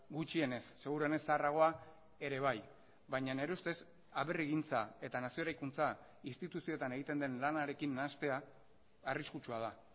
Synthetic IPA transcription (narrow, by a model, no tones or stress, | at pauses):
ɡut͡ʃie̞ne̞sːe̞ɣ̞uɾuene̞saraɣ̞o̞a | e̞ɾe̞β̞aj | bajɲane̞ɾeust̪e̞s | aβe̞riɣint͡sae̞t̪anasioɾajkunt͡sa | inst̪it̪usio̞t̪ane̞ɣ̞it̪e̞nd̪e̞nlanaɾe̞kinːast̪e̞aː | riskut͡ʃuað̞a